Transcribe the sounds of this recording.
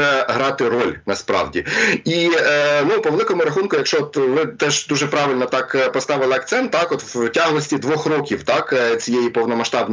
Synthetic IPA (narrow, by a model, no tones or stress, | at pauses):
ɛɦɾɑt̪ɪɾɔlʲnɐspɾɑ̰wdʲḭinupɔʋlˠɪkɔmʊɾɐxunkʊjɐkʃt͡ʃɔɔt̪ʋɪt̪ɛʒd̪uʒɛpɾɑʋɪlʲnɔt̪ɑkpɔst̪ɑʋɪlˠɪɐk̚t̪sɛnt̪t̪ːɑkɔt̪wtʲɑɦlˠɔsʲtʲid̪ʋɔxrɔkʲiwt̪ɑkt͡sʲijejipɔwnɔmɐʃt̪ɑbn